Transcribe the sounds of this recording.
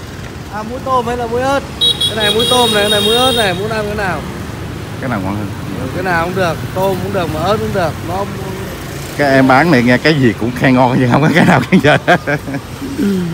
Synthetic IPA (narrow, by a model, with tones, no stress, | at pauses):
ʔaː˨˩mu˨˦jt̪o˧mha˧˨˦jlaː˨˩mu˨˦əjʔəː˦˥t̚kaː˨˧˦na˨˩jmu˨˦əjt̪o˧mna˨˩ka˧˦na˨˩jmu˨˦əjʔə˦˥t̚na˨˩jmu˨˦ənʔaː˧kaː˨˦jnaː˨˩w | kaː˨˦jnaː˨˩wkwaː˧ŋhə˧˩nː˨˧˨kaː˨˦jnaː˨˩wkʊ˧˦ŋ͡mɗɨ˨˩ək̚t̪o˧mkʊ˧˦ŋ͡mɗɨ˨˩ək̚maː˨˩ʔəː˦˥t̚ʔʊ˧˦ŋ͡mɗɨ˨˩ək̚nɔ˨˦ʊ˧˦ŋ͡m | kaː˨˥ʔɛ˧mɓaː˨˦nna˨˩ŋɛ˧kaː˨˦jzi˨˩kʊ̰˧˥ŋ͡mxɛ˧ŋːɔ˧n˧zi˨˩hə˧wŋ͡mkaː˨˦kaː˨˦jnaː˨˩wka˧˦ŋt͡ɕə̰ː˧˨˩